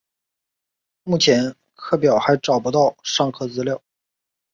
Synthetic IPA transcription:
mu˥˩t͡ɕʰjɛ˧˥n | kʰɤ˥˩pjɑ˨˩ʊxa˧˥ɪʈ͡ʂɑ˨˩ʊpu˧˥t̪ɑ˥˧ʊʂɑ˥˧ŋkʰɤ˥˩t͡sɹ̩˧˥ljɑ˥˩ʊ

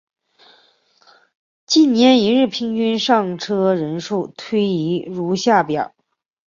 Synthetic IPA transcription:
t͡ɕi˥˩nnjɛ˧˥ni˧˥ɻɻ̩˥˩pʰi˥ŋt͡ɕy˥nʂɑ˥˩ŋʈ͡ʂʰɤ˥ɻə˧˥nʂu˥˩t̪ʰwe˥ɪi˧˥ɻu˧˥ɕja˥˩pjɑ˨˩˦

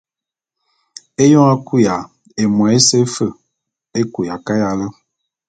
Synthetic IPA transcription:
e˦jɔ˦a˦ku˦ja˨ | e˨mwɛ˨e˦se˦fə˦˨ | e˦ku˨ja˨ka˦ja˨lə˦

